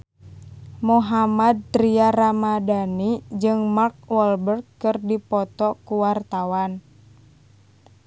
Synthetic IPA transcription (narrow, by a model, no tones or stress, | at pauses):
muɦamad̪̚t̪ɾiaramadanid͡ʒɨŋmark̚wɔlbərɡkɨrdipɔt̪ɔkuwart̪awan